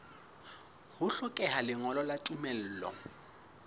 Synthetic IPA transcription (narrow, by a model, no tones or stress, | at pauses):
hʊɬʊkʼɛɦalɪŋɔlɔlatʼumɛl̩ːlɔ̰